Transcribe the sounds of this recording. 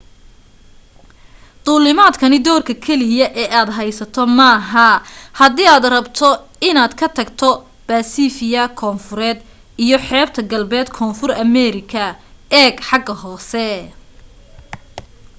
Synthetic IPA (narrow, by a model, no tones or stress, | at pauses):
d̪̥ʊlɪmaːd̪kʰɐnɪd̪ɔːrkʰɐkʰɛlɪjɐʔɛːʔaːd̪ɦɐjsɐt̪ʰɔmɐɦɐhɐd̪iːaːd̪rɐbt̪ʰɔ | ɪnaːd̪kʰɐt̪ʰɐɡt̪ʰɔ | b̥aːsiːfɪjɐkʰɔːnfʊɾɛːd̪ | ijɞħɛːb̚t̪ʰɐɡɐlbɛːd̪kʰɔːnfʊrɐmɛːɾɪkʰɐɛːɡħɑɡɐhɔːsɛ